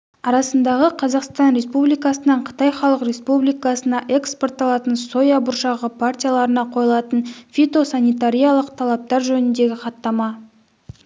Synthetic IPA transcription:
ɑɾɑsənd̪ɑʁəqʰɑzɑqst̪ɑnɾe̞spublijkɑsənɑɴqʰə̥t̪ɑjχɑlˠəqre̞spublijkɑsənɑʔe̞kspo̞rt̪ɑlˠɑt̪ənso̞jɑbʊɾʃɑʁəpʰart̪ʲijalˠɑɾənɑqʰo̞jlˠɑt̪ənfʲit̪o̞sanijt̪aɾʲijalˠəqt̪ʰɑlˠɑp̚t̪ɑɾʒɵnɪnd̪e̞ɡʲɪqʰɑt̪ːɑmɑ

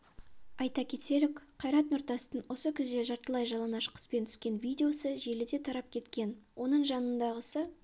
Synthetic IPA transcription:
ɑjt̪ɑkʲʰe̞t̪ʰe̞lɪkqʰɑjɾɑt̪nʊɾt̪ɑst̪ənwʔo̞səkʲʰʏzd̪e̞ʒɑɾt̪əlˠɑjʒɑlˠɑnɑʃə̥qʰə̥spe̞nt̪ʰʏ̥skʲe̞nvʲijd̪ʲeo̞səʒe̞lɪd̪e̞t̪ʰɑɾɑp̚kʲʰe̞t̪kʲe̞nwʔo̞nəɴʒɑnənd̪ɑʁəsə

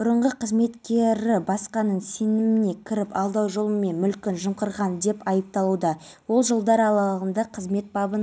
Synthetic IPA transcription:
bʊɾəɴʁəqʰəzme̞t̪kʲe̞ɾɪbɑsqɑnəɴse̞nɪmɪne̞kʲʰɪɾɪpɑlˠd̪ɑwʒo̞lˠəme̞nmʏlkʲɪnʒəmqəɾʁɑnd̪e̞pɑjəp̚t̪ɑlˠud̪ɑ | wo̞lˠʒəlˠd̪ɑɾɑlˠɑʁənd̪ɑqʰəzme̞t̪̚bɑbən

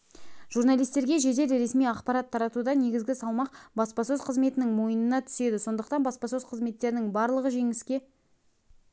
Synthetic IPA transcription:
ʒuɾnalʲˠijst̪e̞ɾɡʲe̞ʒe̞d̪e̞lɾe̞smijɑqpɑɾɑt̪ʰːɑɾɑt̪ud̪ɑne̞ɡʲɪzɡʲɪsɑlˠmɑqbɑspɑsøzqʰəzme̞t̪ɪnɪŋmo̞jənənɑt̪ʰʏ̥se̞d̪ɪso̞nd̪əq̚t̪ɑnbɑspɑsøzqʰəzme̞t̪ːe̞ɾɪnɪŋbɑɾlˠəʁəʒe̞ŋɪskʲe̞

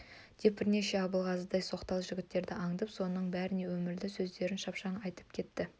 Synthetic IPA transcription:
d̪̥e̞p̚bɪɾne̞ʃe̞ɑbəlˠʁɑsəd̪ɑjso̞qt̪ɑlˠʒʏɡʲɪt̪ːe̞ɾd̪ɪʔɑɴd̪əpso̞nəɴbæɾɪne̞wɵmɪɾd̪ɪsɵzd̪e̞ɾɪnʃɑpʃɑɴɑjt̪ə̥p̚kʲʰe̞t̪ːɪ

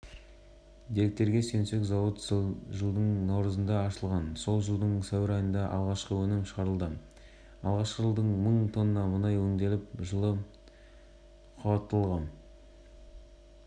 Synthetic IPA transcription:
d̪e̞ɾek̚t̪e̞ɾɡʲe̞se̞nse̞kzɑwət̪ʒəlˠd̪əɴnɑwɾəzənd̪ɑːʃəlˠʁɑnso̞lˠʒəlˠd̪əɴsæwɪɾɑjənd̪ɑʔɑ̰lˠʁɑʃqəwɵnɪmʃəʁɑɾəlˠd̪ə | ɑlˠʁɑʃqəʒəlˠd̪əɴməɴt̪ʰo̞nənɑmənɑjwɵŋd̪e̞lɪpʒəlˠə | qʰʊbɑt̪ːəlˠʁɑn

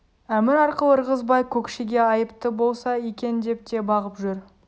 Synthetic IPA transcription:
æmɪɾɑɾqəlˠəɾʁəzbɑjkʲʰɵkʃeɡʲe̞ɑjəpt̪əbo̞lˠsɑjekʲe̞nd̪e̞p̚t̪e̞bɑʁəpʒʏɾ

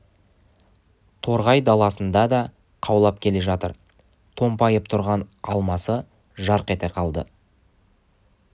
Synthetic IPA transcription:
t̪ʰo̞ɾʁɑjd̪ɑlˠɑsənd̪ɑd̪ɑ | qʰɑwlˠɑp̚kʲʰe̞le̞ʒɑt̪əɾ | t̪ʰo̞mpɑjəp̚t̪ʰʊɾʁɑnɑlˠmɑsə | ʒɑɾqe̞t̪e̞qʰɑlˠd̪ə̰

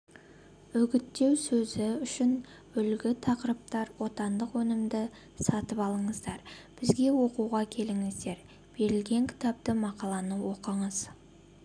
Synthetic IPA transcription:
ɵɡʲɪt̪ːe̞wsɵzɪʏʃɪn | ʏlɡʲɪt̪ʰɑqəɾəp̚t̪ɑɾwo̞t̪ɑnd̪əqwɵnɪmd̪ɪ | sɑt̪əpɑlˠəɴəzd̪ɑɾb̥ɪzɡʲe̞wo̞quʁɑkʲʰe̞lɪŋɪzd̪e̞ɾ | b̥e̞ɾɪlɡʲe̞ŋkʲʰɪ̥t̪ɑp̚t̪əmɑqɑlˠɑnəwo̞qəɴəz̥

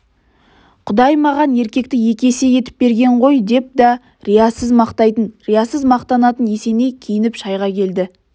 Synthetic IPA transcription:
qʰʊd̪ɑjmɑʁɑne̞ɾkʲe̞k̚t̪ɪje̞kʲe̞se̞je̞t̪ɪ̥p̚be̞ɾɡʲe̞ɴʁo̞jd̪e̞p̚d̪ɑ | ɾijɑsəzmɑqt̪ɑjt̪ənɾijasəzmɑqt̪ɑnɑt̪ənje̞se̞ne̞jkʲʰejɪnɪpʃɑjʁɑkʲʰe̞ld̪ɪ

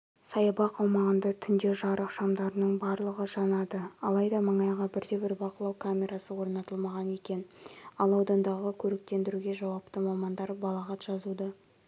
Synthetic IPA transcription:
sɑjɑbɑqɑwmɑʁənd̪ɑt̪ʰʏnd̪e̞ʒɑɾʔəqʃɑmd̪ɑɾənəɴbɑɾlˠəʁəʒɑnɑd̪əɑlˠɑjd̪ɑməɴɑjʁɑbɪɾd̪e̞bɪɾbɑqəlˠɑwkʰamʲe̞ɾasəwo̞ɾnɑt̪əlˠmɑʁɑne̞kʲe̞nɑlˠɑwd̪ɑnd̪ɑʁəkʲʰɵɾek̚t̪e̞nd̪ɪɾuɡʲe̞ʒɑwɑpt̪əmɑmɑnd̪ɑɾbɑlˠɑʁɑt̪ʒ̥ɑzud̪ɑ

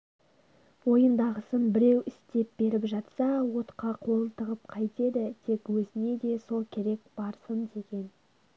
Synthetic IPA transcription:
wo̞jənd̪ɑʁəsənbɪɾe̞wʔɪst̪e̞p̚b̥e̞ɾɪpʒɑt̪sɑwo̞t̪qɑqʰo̞lˠət̪ʰəʁəp̚qʰɑjt̪e̞d̪ɪt̪ʰe̞kwɵzɪne̞d̪e̞so̞lˠkʲʰe̞ɾe̞k̚b̥ɑɾsənd̪e̞ɡʲe̞n

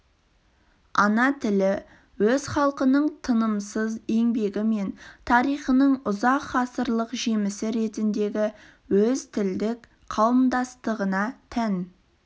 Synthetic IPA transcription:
ɑnɑt̪ʰɪlɪ | wɵz̥χɑlˠqənəɴt̪ʰənəmsəze̞ŋbe̞ɡʲɪme̞nt̪ʰɑɾijχənəɴʊzɑqχɑsəɾlˠəqʒe̞mɪsɪɾe̞t̪ɪnd̪e̞ɡʲɪ | wɵzt̪ʰɪld̪ɪk | qʰɑwəmd̪ɑst̪əʁənɑt̪ʰæn

